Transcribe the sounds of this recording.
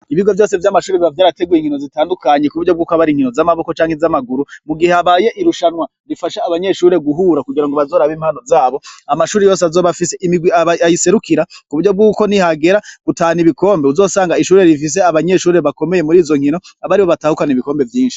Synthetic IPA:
iβiɡo̞vjo̞ːse̞vjamaʃuːɾeβiavjaːɾate̞ɡujeŋhino̞zitaːndukaɲe̞kuβuɾɟo̞bɡuːkoaβaɾiŋ̥hino̞zamaβo̞ko̞t͡ʃaːŋhe̞zamaɡuɾumuɡiheaβaːje̞ʔiɾuʃanwa | ɾifaʃaβaɲe̞ʃuːɾe̞ɡuɦuːɾakuɡiɾaŋɡo̞βazo̞ːɾaβiːmhaːno̞zaːβo̞amaʃuːɾejo̞ːseazoβafiseʔimiɡwiaaajise̞ɾukiɾakuβuɾɟo̞b̚ɡuːko̞nihaɡe̞ɾaɡ̥utaːniβiko̞ːmbeuzo̞ːsaːŋɡaiʃuːɾe̞ɾifis̬e̞aβaɲe̞ʃuːɾe̞βako̞me̞je̞muɾiːzo̞ŋ̥hino̞aβaɾiβo̞βataːhukaniβiko̞ːmbe̞vjiːnʃi̥

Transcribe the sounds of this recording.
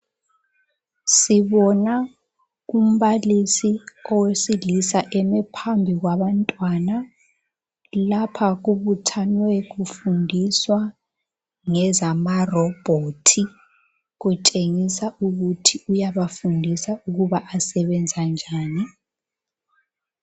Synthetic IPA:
siβɔna | um̩βalisiɔwesilisaʔɛmɛpʰambʱiɣwaβantʼwana | lapʰaɣuβutʰanwɛɣufundʱiswa | ŋɛzamarɔb̥ʱotʰi | ɣutʼeŋisauɣutʰiujaβafundʱisauɣuβaʔasɛβɛnd͡zʱand͡ʒʱaːni

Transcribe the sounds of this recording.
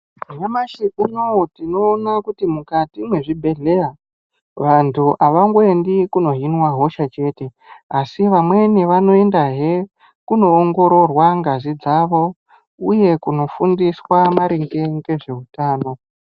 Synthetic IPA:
ɲamaʃiʔunotino̞ːnakutimukatimwe̞ʐibʱe̞ɮe̞a | ʋantʰuʔaʋaŋɡoendikuno̞ɦinwaɦo̞ʃat͡ʃe̞ːte̞ | asiʋamwe̞niʋano̞e̞ndaɦe | kuno̞ːŋɡo̞ɾo̞rwaŋɡazid͡zaʋo̞ | uje̞kuno̞fundiswamaɾiŋɡe̞ŋɡe̞ʐe̞utaːno̞

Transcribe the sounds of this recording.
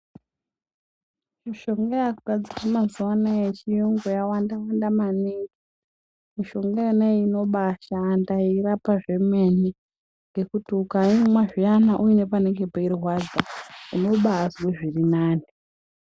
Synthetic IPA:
miʃo̞ŋɡajakuɡʱad͡zikamazuwanejet͡ʃijuŋɡojawandawandamaniːki | miʃo̞ŋɡajaneino̞ɓaʃaːndairapaʐe̞meni | ŋɡe̞kutuukaimwaʐijanaʔuine̞pane̞ŋɡe̞pairwad͡zaino̞ɓaːzweʐirinaːni

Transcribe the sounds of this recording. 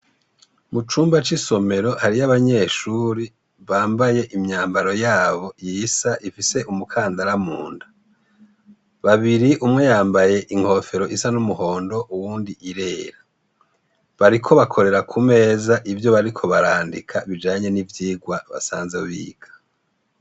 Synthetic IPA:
mut͡ʃuːmbat͡ʃiso̞me̞ɾo̞haɾijaβaɲe̞ːʃuːɾi | βaːmbaje̞ʔimɲaːmbaɾo̞jaːβo̞jisaʔifise̞ʔumukʰaːndaɾamuːndḁ | βaβiɾiʔumŋe̞jaːmbaje̞ʔiŋ̥ho̞fe̞ɾo̞ʔisanumuho̞ːndo̞ʔuwuːndiʔiɾe̞ːɾa | βaɾikʰo̞βakʰo̞ɾe̞ɾakʰume̞ːzaʔivjo̞βaɾikʰo̞βaɾaːndikʰaβid͡ʒaːɲe̞nivjiːɡwaβa̰saːnzewḭːɡ̥ḁ

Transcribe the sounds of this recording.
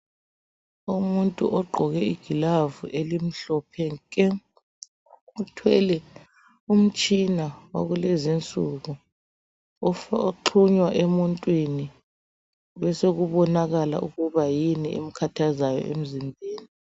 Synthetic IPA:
umuntʼṵʔɔɡ͡ǃʱɔɣɛiɡ̥ʱilavuʔelim̩ɬɔpʰɛŋkʼɛ | utʰwɛlɛ | um̩t͡ʃʼinawa̰ɣulezint͡sʼuɣu | oǃʰuɲwaʔemuntʼwini | wɛseɣuβɔnaɣala̰ʔuɣuβajiniʔḛm̩kʰatʰazajɔ̰ʔḛm̩zimbʱeːni

